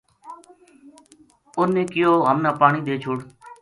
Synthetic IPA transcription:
ʊnːẽːkɪjoːɦəmnaːpaːɳiːɗ̪eːt͡ʃʰʊːɽ

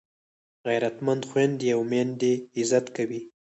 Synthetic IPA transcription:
ɣajɾat̪mand̪xwand̪jawmand̪eɪzat̪kawi

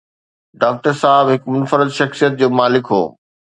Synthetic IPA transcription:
ɖaːk̚ʈəɾsaːɦɪbɦɪkmʊnfəɾɪd̪ʃɐxsijət̪̚d͡ʑoːmaːlɪkɦo̰ː

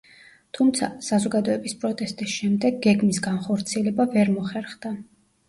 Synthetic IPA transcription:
t̪ʰumt̪sʰa̰sazɔɡad̪ɔɛbispʼɾɔt̪ʼɛst̪ʼisʃɛmd̪ɛɡ̚ɡɛɡmisɡanχɔɾt̪sʰiɛlɛbavɛɾmɔχɛɾχd̪a

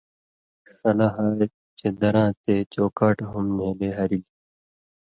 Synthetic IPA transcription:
sɐlaɦaː | t͡ɕed̪ɐɾãːt̪eːt͡ɕoːkaːʈɦumneːleɦɐɾil

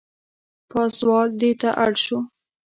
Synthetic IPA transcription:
pɑswɑld̪et̪aʔa̰ɽʃu

